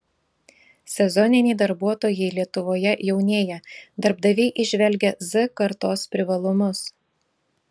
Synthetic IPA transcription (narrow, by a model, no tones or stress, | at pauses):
sʲɛzɔnʲɪnʲɛɪd̪ɐɾbuɔt̪oːjɛɪlʲiɛt̪ʊʋoːjɛjɛʊnʲeːjɛd̪ɐɾbd̪ɐʋʲɛɪʔɪʒʲʋʲɛlʲɡʲɛzɨkɐɾt̪oːspʲɾʲɪʋɐlˠʊmʊs